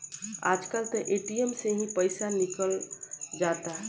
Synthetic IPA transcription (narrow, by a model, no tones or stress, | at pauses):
a̰ːd͡ʒkəlt̪əʔeːʈijəmseɦĩpəɪsanikəld͡ʒat̪aɦɛ